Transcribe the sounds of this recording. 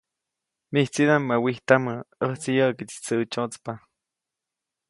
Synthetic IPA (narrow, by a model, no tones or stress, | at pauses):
miht͡sid̪amːawiht̪aməəht͡sijəʔkit͡si̥t͡səʔt͡ʃot͡spa